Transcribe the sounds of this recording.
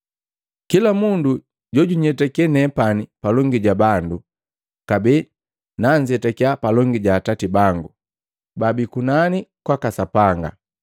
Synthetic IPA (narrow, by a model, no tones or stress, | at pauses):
kilamundu | ɟɔɟuɲɛtakɛnɛpanipalɔŋɡiɟabandu | kabi | naɲd͡ʒɛtakiapalɔŋɡiɟaːtatibaŋɡu | babikunanikwakasapaŋɡa̰